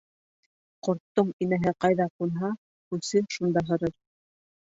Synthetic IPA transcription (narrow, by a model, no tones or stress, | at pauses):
qŏɾt̪ːoɴinæɦɘqɑjðɑqunɦɑ | kʉsɘʃund̪ɑɦɤ̆ɾɤɾ